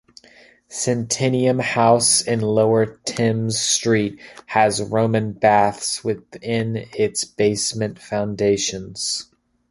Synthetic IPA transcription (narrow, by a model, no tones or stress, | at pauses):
sɨ̃ntʰɪ̃niɨ̃mhaʊsɪ̃nloʊə˞tʰɪ̃mz̥stɹ̥it̚hɨzɹõʊ̃mɨ̃nbæθswɪðɪ̃nɪtsb̥eɪsmɨ̃ntfãʊ̃ndeɪʃɨ̃nz̥